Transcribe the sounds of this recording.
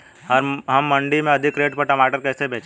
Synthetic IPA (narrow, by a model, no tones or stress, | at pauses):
ɔːɾɦɐmːɐ̃ɳɖimẽɐd̪ʱɪkɾeːʈpɐɾʈɐmaːʈəɾkɛːsebʱeːt͡ʃ